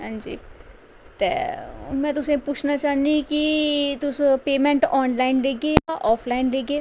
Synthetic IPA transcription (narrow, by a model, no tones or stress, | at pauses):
ɦãːɲd͡ʒḭː | t̪ḛːmɛ̃ːt̪ʊsẽpʊt͡ʃʰnaːt͡ʃaːnd̪ikit̪ʊspeːmɛ̃ːɳʈɔːnlaːɪnleːɡeːaʔɔːpʰlaːɪnleːɡeː